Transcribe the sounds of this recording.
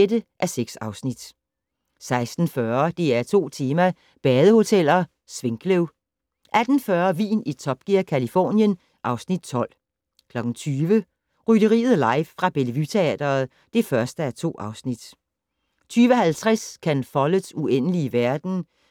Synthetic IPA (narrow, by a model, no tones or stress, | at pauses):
edəʔæɐseɡ̥sɑ̈ʊsnid̥ | sɑ̈ɪsd̥n̩fɶːɐd̥e̝æɐt͡sʰo̝̰ːt͡sʰe̝ːmæ | b̥ɛːð̞ˠəho̝t͡sʰel̰ɐ | sʋe̝ŋɡ̥ʰleʊ | ʔæd̥n̩fɶɐʋḭːnit͡sʰɒ̽b̥̚ɡ̥iɐkʰælifɔ̰ːnjən | ʔɑ̈ʊsnid̥̚t͡sʰɒ̽l̰ | kʰlɒ̽ɡ̥n̩t͡sʰyːʋə | ʁyɾ̥əʁḭːð̩ˠlɑ̈ɪʋfʁɑ̈b̥e̝lʋyt͡sʰe̝ɛ̰ːd̥ɐːð̩ˠ | d̥e̝fɶɐsd̥əæɐt͡sʰo̝̰ːʔɑ̈ʊsnid̥ | t͡sʰyːʋəhælt͡sʰʁaskʰænfɒlə̥suenəliəʋæɐd̥n̩